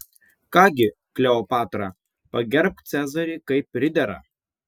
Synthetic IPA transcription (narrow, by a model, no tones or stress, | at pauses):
kɑːɡʲɪ | klʲɛoːpɑːt̪ɾɑ | pɐɡʲɛɾp̚t̪sʲæːzɐɾʲiːkɐɪp̚ʲpːɾʲɪd̪ʲɛɾɐ̰